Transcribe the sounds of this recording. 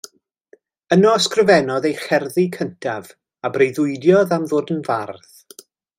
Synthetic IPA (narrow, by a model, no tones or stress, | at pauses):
ənɔskrəvɛnɔðejχɛrðikʰəntʰav | abrejðʊɨdjɔðamðʊːdənvarð